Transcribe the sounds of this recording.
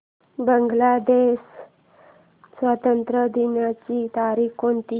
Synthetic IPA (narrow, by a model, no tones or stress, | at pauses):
bəŋɡlad̪eɕ | sʋat̪ənt̪ɾəd̪inat͡ɕit̪aɾikont̪i